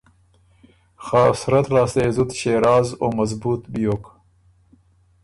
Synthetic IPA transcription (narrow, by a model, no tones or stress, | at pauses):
xasɾɐt̪lɑːst̪ezut̪ɕeːɾɑːzoːmɐzbuːt̪bijoːk